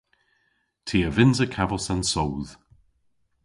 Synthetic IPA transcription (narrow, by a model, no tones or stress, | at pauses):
tʰiːəvɪnzəkʰavəlˠsansowð̥